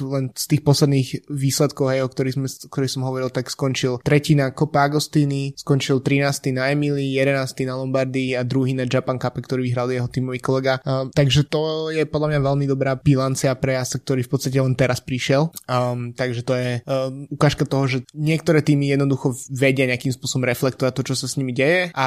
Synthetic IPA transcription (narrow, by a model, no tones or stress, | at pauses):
lɛnst̪iːxpɔslɛd̪niːɣʋiːslɛt̪kɔʊɦɛjɔkt̪ɔɾizmɛɔkt̪ɔɾixsɔmɦɔʋɔɾilˠt̪akskɔnt͡ʃilt̪ɾɛcinakɔpɛaɡɔst̪iːniskɔnt͡ʃilt̪ɾinaːst̪inaɛmilijɛd̪ɛnaːst̪inalɔmbaɾd̪iad̪ɾuɦiːnaʒapaŋkapɛkt̪ɔɾiːʋiɦɾalijɛɦɔt̪iːmɔʋikɔlɛɡat̪aɡʒɛt̪ɔjɛpɔd̪lamɲaʋɛlmid̪ɔbɾaːb̥ilant͡siapɾɛjasak̚t̪ɔɾiːfpɔtt͡sst̪acɛlɛnt̪ɛɾaspɾiʃɪɛlt̪aɡʒɛt̪ɔjɛukaːʃkat̪ɔɦɔʒɛɲɪɛkt̪ɔɾɛːt̪iːmijɛd̪nɔd̪uxɔʋɛɟɪaɲɛakimspʊɔsɔbɔmɾɛflɛkt̪ɔʋac̚t̪ɔt͡ʃɔsasɲimiɟɛjɛʔa